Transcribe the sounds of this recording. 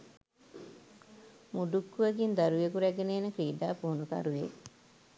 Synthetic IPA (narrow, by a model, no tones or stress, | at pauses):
muɖukːuʋəɡind̪aɾujekuɾæɡeneːnəkɾiːɖaːpuɦunuka̰ɾuʋe